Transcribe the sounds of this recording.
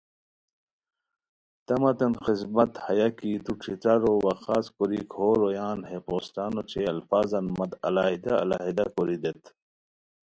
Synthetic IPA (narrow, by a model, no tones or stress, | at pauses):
t̪ɐmɐt̪ɐnxizmɐt̪hɐjakit̪uʈ͡ʂʰit͡saɾowɐxaːskoɾikʰoːɾojaːnheqoːsʈaːnot͡ɕʰeɐlfaːzɐnmɐd̪ɐ̰laːɦid̪aɐ̰la̰ɦid̪akoɾid̪et̪ʰ